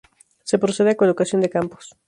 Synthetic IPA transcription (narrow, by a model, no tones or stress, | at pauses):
sepɾoseðeakolokasjo̞nd̪ekampo̥s